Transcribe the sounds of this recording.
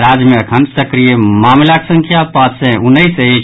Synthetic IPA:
ɾaːd͡ʒjmẽəkʰənsəkɾijemaːmlaksə̃ŋkʰjapãːt͡ʃsẽʊnːəise

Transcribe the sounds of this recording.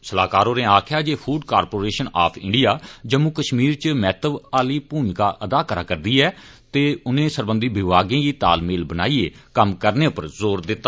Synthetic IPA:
səlaːkaːɾoːnẽːaːkʰjaːd͡ʒeːpʰuːɖkaːɾpoːɾeːʃəna̰ːpʰɪ̰ɳɖijaːd͡ʒəmũːkəʃmiːɾt͡ʃmɛːt̪əbaːliːpuːnkaːʔəd̪aːkəɾa̰ːkəɾd̪iːɛː | t̪eːʊnẽːsəɾbə̃nd̪iːbɪʋaːɡẽːɡiːt̪a̰ːlmeːlbənaːiːeːkəmkəɾneːʊpəɾzoːɾd̪ɪt̪ːaː

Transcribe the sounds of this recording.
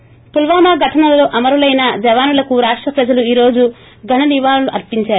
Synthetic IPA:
pulʋaːmaːɡʱɐʈʰɐnɐlɐloːʔɐmɐɾulɐjnɐd͡ʒɐʋaːnulɐkuɾaːʂʈɾɐpɾɐd͡ʒɐluiːɾo̞ːd͡ʒu | ɡʱɐɳɐniʋaːluluʔɐɾpiɲt͡ʃaːɾu

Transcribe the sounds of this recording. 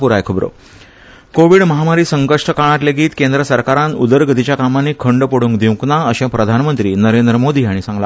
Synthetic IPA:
puɾajkʰəbɾo̰ | koʋiːɽməɦamaɾiːsəŋkəʂʈəkaɽ̃at̪leɡiːt̪kend̪ɾəsəɾkaɾãnud̪əɾɡət̪it͡ɕjakamanːiːkʰəɳɖpəɽuːŋkd̪ʱĩwknaəɕẽpɾəd̪ʱanmənt̪ɾiːnəɾend̪ɾəmod̪iːaɽ̃isãŋɡla̰

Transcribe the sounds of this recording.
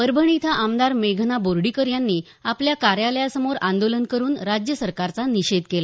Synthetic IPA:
pəɾbʱəɳit̪ʰaʔamd̪aɾmeɡʱnaboɾɽikəɾjanːiː | apljakaɾjaləjasəmoɾand̪olənkəɾuːnɾad͡ʑjəsəɾkaɾt͡saniɕed̪kela

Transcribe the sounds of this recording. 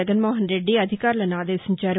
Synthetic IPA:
ɐd̪ɐnmoːɦənɾeɖːiɐd̪ʱɪkaːɾlɐnaːd̪eːsɐmt͡ʃaːɾ

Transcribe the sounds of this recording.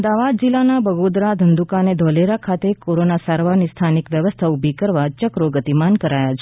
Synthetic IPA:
md̪aʋad̪̚d͡ʒilanabʱəɡod̪ɾad̪ʱənd̪ukaned̪ʱɔleɾakʰat̪ekoɾonasaɾʋaɾnist̪ʰanikʋjəʋəst̪ʰaubʱikəɾʋat͡ʃəkɾoɡət̪imankəɾajat͡ʃʰe

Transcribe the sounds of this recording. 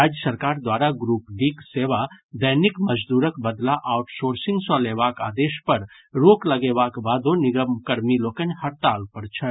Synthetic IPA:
ad͡ʒjəsəɾkaːɾd̪waɾaɡɾuːpɖikseʋad̪əjnikməd͡ʒd̪uːɾəkbəd̪laʔaʊʈsoːɾsĩŋɡsɔ̃leːbaka̰ːd̪eːʃpəɾ | ɾokləɡebakbad̪onɪɡəmkəɾmilokənhəɾt̪aːlpəɾt͡ʃʰə

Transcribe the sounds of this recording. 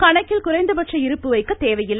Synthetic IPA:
kɐɳɐkːɪlkʊrɐɪnd̪ɐpɐʈrɐɪɾɯpːɯʋɐɪkːɐt̪ːeːʋɐjɪlː

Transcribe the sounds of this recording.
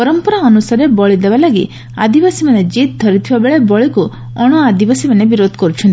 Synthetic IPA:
pɔɾɔmpɔɾaɔnusaɾebɔɭid̪ebalaɡḭ | a̰d̪ibasimaned͡ʒit̪̚d̪ʱɔɾit̪ʰibabeɭebɔɭiku | ɔɽ̃ɔad̪ibasimanebiɾod̪ʱɔ̥kɔɾut͡ʃʰɔnt̪i

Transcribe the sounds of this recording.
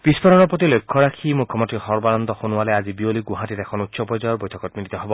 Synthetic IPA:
b̥ispɔɾɔnɔɹpɹɔt̪̬ilojkʰːɔɹakʰimukʰːɔmɔnt̪ɹixɔɹbanɔnd̪ɔxonualɛazibioliɡũɦatitɛkʰɔnut̪sɔpɔjzɔjɔɹbojtʰɔkɔt̚milit̪ɔɦɔbɔ

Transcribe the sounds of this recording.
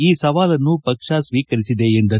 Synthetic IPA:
iːsɐʋaːlɐnːupɐkʂasʋiːkɐɾisid̪e̞ːnd̪ɐ

